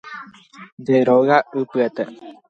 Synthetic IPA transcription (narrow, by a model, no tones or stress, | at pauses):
nd̪eɾoɣaɨpɨet̪e